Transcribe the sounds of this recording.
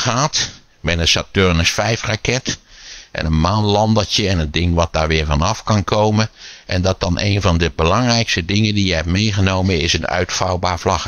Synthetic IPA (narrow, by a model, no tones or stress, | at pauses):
xaːt | mɛnənsatørnəsfɛjfrakɛtʔɛ̰nənmaːnlɑndətjəɛnəndɪŋʋɑt̚daːɹʋɪːɹvɑnɑfkɑnkʰoːməʔɛ̰ndɔt̚dɑnʔḛːnvɑndəbəlɑŋrɛjkstədɪŋəndijəɦɛpmeːɣənowmənɪsənœ̰ɥtfɑwbaːɹvlɑx